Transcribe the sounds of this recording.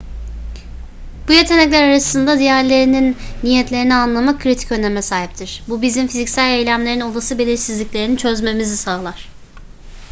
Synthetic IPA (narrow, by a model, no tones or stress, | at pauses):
b̥ujet̪ʰe̞nɛclʲæɾaɾasɯnd̪ad̪ijæɾlʲe̞ɾininːijɛt̪lʲe̞ɾinianlˠamakʰːɾit̪ʰi̥cønemɛsaːɦip̚t̪ʰiɾ̥bubizimfizicʲsælʲejlʲæmlʲe̞ɾino̞lˠasɯbe̞lʲiɾsizlʲiclʲe̞ɾinit͡ʃʰø̞zme̞mizisaːlˠaɾ̥